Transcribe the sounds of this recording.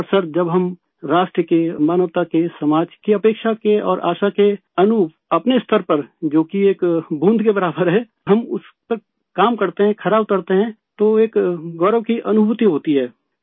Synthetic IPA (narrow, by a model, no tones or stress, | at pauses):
ɔɾsəɾd͡ʒɐbɦɐm | ɾaːʃʈɾəkemaːnəʋt̪akesɐmaːd͡ʒkiɐpeːkʃakeɔ̰ːɾʔa̰ːʃake | ɐnʊ | ɐpneɪst̪ʰəɾpɐɾd͡ʒoːkieːkbũnd̪ʱkebɐɾaːbəɾɦɛː | ɦɐmʊs | pəɾ | kaːmkɐɾt̪eɦɛ̃kʰɐɾaːbʊt̪əɾt̪eɦɛ̃ | t̪oeːkɡɔːɾəʋkiʔɐnʊbʱʊt̪iɦoːt̪iɦɛː